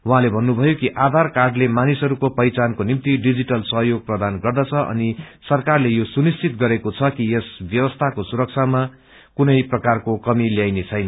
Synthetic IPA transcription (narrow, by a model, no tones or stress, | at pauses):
wuɦãlebʱʌnːubʱʌjokiʔad̪ʱarkarɖlemanisɦʌɾukopʌjt͡sankonimt̪iɖid͡ziʈʌlsʌɦjoɡ̚prʌd̪anɡʌrd̪ʌt͡sʰʌʔʌ̰nisʌrkarlejosunist͡sit̪ɡʌɾekot͡sʰʌkiesbjʌwʌst̪ʰakosuɾʌk̚t͡sʰama | kunʌjprʌkarkokʌmiljajnet͡sʰʌjnʌ